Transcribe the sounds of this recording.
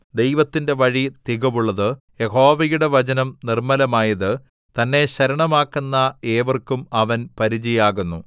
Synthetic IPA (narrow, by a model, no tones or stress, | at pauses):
d̪ejʋɐt̪ːinde̞ʋɐɻit̪iɣɐʋuɭːɐðɨ | je̞ho̞ːʋɐjuɽe̞ʋɐt͡ɕɐnɐmnirmɐlɐmaːjɐðɨ | t̪ɐnːe̞ɕɐɾɐɳɐmaːkːunːɐeːʋɐrkːumɐʋɐnpɐɾid͡ʑijaːɣunːu